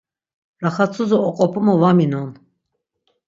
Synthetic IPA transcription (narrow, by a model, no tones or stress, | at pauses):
ɾaχat͡sʰʼuzɔɔqʼɔpʰʼumɔvaminɔn